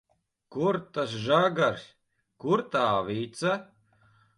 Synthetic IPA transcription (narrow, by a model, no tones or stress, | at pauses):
kuɾt̪asʒaɡaɾs | kuɾt̪aːviːt̪sa